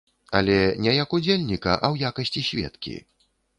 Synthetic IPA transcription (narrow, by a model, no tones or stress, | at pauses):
ɐ̰lʲɛnʲɛjɐkud͡zʲelʲnʲikɐ̰ʔɐwjakɐsʲt͡sʲisʲvʲɛ̰t̪kʲḭ